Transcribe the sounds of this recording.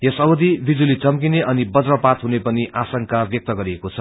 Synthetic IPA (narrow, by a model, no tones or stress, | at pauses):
jʌsʌbʌd̪ʱibʱid͡zulit͡sʌmkineʔʌnibʌd͡zrʌpat̪ɦunepʌniʔasʌŋkabjʌk̚t̪ʌɡʌɾiekot͡sʰʌ